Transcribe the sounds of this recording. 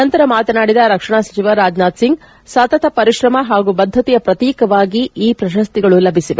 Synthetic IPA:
ɐnt̪ɐɾɐmaːt̪ɐnaːɽid̪ɐɾɐkʂɐɳasɐ̥t͡ʃiʋɐɾːaːd͡ʒnaːd̪siŋɡ̚ | saːt̪ɐt̪ʰɐpɐɾiʃɾɐmɐɦaːɡubɐd̪ʱːɐt̪ijɐpɾɐt̪iːkɐʋaːɡiiːpɾɐʃɐst̪iɡɐɭulɐbʱisiʋe

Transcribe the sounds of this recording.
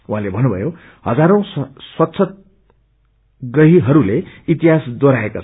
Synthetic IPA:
uɦãlebʱʌnːubʱʌjo | hʌd͡zaɾõswʌt̪sʰʌt̪̚ | ɡʌɦiɦʌɾuleit̪iɦasd̪oɾaekot͡sʰ

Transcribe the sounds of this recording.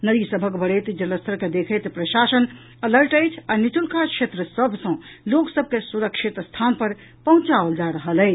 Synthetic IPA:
nəd̪isəbʱəkbəɽət̪d͡ʒələst̪əɾked̪ekʰət̪pɾəʃasən | ələɾʈəjt͡ʃʰanit͡ʃulkakʃet̪ɾəsəbʱsə̃loksəb̚ʱkesuɾəkʃit̪st̪ʰanpəɾ | pəɦũt͡ʃaold͡ʒaɾəɦələjʰ

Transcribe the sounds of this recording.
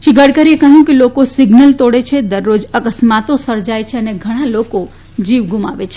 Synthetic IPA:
ʃiɡʱəɽkəɾiekəɦjũkelokosiɡnəlt̪oɽet͡ʃʰed̪əɾːod͡ʒəkəsmat̪osəɾd͡ʒajt͡ʃʰeəneɡʱəɽ̃aloko | d͡ʒiʋɡuma̰ʋet͡ʃʰe

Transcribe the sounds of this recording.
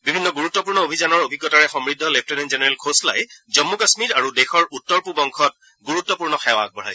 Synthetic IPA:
bibʱinːɔɡuɹutːɔpuɹnɔobʱizanɔɹobʱiɡːɔtaɹɛxɔmɹidʱːɔlep̚ʰtɔnenzenɛɹelkʰosla̰jzɔmːukasmiɹaɹudexɔɹutːɔɹpubɔŋkʰɔt̚ | ɡuɹutːɔpuɹnɔxɛwa̰k̚bɔɹ̤a̰j

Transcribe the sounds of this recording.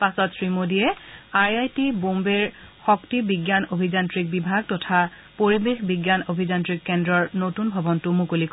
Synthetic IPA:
pasɔtsɹimodijɛaɹajtibombeɹxɔktibiɡjanobʱizantɹik̚bibʱaɡ̚tɔtʰa | poɹibexbiɡjanobʱizantɹikːɛndɹɔɹnotunbʱɔbɔntʊmũkulik

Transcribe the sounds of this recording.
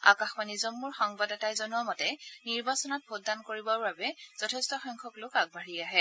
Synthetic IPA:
a̰kaxmanizɔnmʊɹxɔŋbadɔtajzɔnuɔmɔtɛniɹbasɔnɔt̚bʱodːankoɹibɔɹbabɛz̥ɔtʰɛstɔxɔŋkʰɔklʊkaɡ̚bʱaɹiaɦɛ

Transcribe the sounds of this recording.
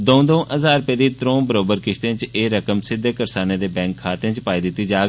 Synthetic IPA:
d̪õːd̪õːʔəzaːɾpeːd̪iːt̪ɾõːbəɾoːbəɾkɪʃt̪ẽːt͡ʃeːɾəkəmsɪd̪ʱːeːkəɾsaːneːd̪eːbɛ̃ːŋkʰːaːt̪ẽːt͡ʃpaːiːd̪ɪt̪ːiːd͡ʒaːɡ

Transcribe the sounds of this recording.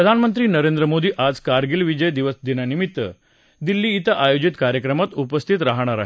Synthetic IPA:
ppɾəd̪ʱanmənt̪ɾiːnəɾend̪ɾəmod̪iːʔad͡zkaɾɡilʋid͡ʑəjd̪iʋəsd̪inanimit̪ːə̰ | d̪ilːiːt̪əʔajod͡ʑit̪kaɾjəkɾəmat̪upəst̪ʰit̪ɾaɦɽ̃aɾa̰ɦe

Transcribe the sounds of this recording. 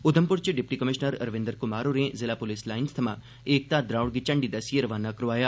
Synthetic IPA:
ʊd̪ʱəmpʊɾt͡ʃiɖɪp̚ʈikəmɪʃnəɾɐɾʋẽnd̪əɾkʊmaːɾuɾẽzɪlaːpolislaːɪnst̪ʰɐmã | eːk̚t̪ad̪ɾaːwɽɡit͡ʃəɳɖid̪ɐsijeɾəʋaːnːakɾoʋaːjaː

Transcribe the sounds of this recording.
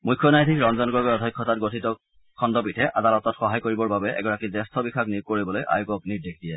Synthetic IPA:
mujkʰːjɔnajtʰikɹɔnzɔnɡɹɔɡɔɔdʱɔjkʰːɔtatɡotʰitɔ | kʰɔndɔpitʰɛʔadalɔtɔtxɔɦajkoɹibɔɹbabɛʔɛ̰ɡɔɹakizɛstʰɔbikʰaknikoɹibɔlojʔa̰jukɔk̚nitdekʰdijɛ

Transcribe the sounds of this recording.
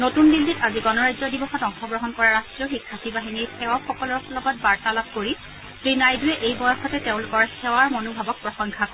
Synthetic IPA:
notundilːitaziɡɔnɔɹajzɔdibɔxɔtɔŋxʰɔɡɹɔɦɔnkɔɹaɹastɹɔxikʰːatʰibaɦiniɹxʰɛwaxɔkɔlɔɹxlɔɡɔt̚baɹtalap̚koɹi | tɹinajdujɛʔejbɔjɔxɔtɛteʊ̃lʊkɔɹxɛwaɹmonobʱabɔk̚pɹɔxɔŋkʰakɔ

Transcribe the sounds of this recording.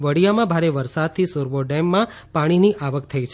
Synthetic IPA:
ʋəɽijamãbʱaɾeʋəɾsad̪̚t̪ʰisoɾʋoɖɛmːã | paɽ̃iniʔaʋəkt̪ʰəit͡ʃʰe

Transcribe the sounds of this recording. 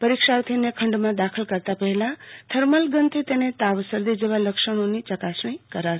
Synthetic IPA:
pəɾikʃaɾt̪ʰinekʰəɳɖmãd̪akʰəlkəɾt̪apəɦelãt̪ʰəɾməlɡənt̪ʰet̪enet̪aʋsəɾd̪id͡ʒeʋaləkʃəɽ̃onit͡ʃəkasɳĩkəɾa

